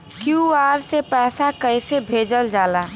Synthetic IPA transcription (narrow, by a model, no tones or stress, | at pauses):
kjuaɾsepɛːsakəɪsebʱed͡ʒəld͡ʒaːla